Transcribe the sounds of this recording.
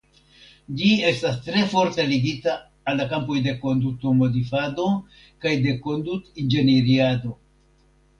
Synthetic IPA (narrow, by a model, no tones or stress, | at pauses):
d͡ʒie̞stastɾe̞fo̞ɾteliɡitaː | lːakampojde̞ko̞ndutomo̞difado̞ | kajde̞ko̞ndutind͡ʒe̞neɾiado̞